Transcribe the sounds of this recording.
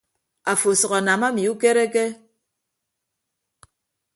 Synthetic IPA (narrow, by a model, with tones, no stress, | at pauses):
a˨fo˨sɔ˨ɣa˨na˨ma˦mi˨u˦ke˦ɾe˦ke˦